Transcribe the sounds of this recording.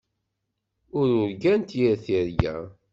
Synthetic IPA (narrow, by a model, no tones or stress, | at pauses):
ʊɾʊɾɡænt̪jəɾθiɾjæ̰